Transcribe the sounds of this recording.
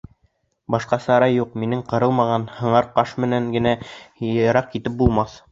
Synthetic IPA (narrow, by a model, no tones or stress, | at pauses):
bɑʃqɑsɑɾɑjːuqminɘɴqɤ̆ɾɤlˠmɑʁɑnhɤ̆ɴɑɾqɑʃmɘ̆næŋɡɘ̆næ | ɑɾɑq̚kit̪ɘp̚bulˠmɑθ